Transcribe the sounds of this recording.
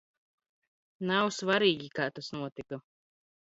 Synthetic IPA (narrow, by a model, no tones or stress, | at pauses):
nawsvaɾiːɡʲikaːt̪asnuɔt̪ikɐ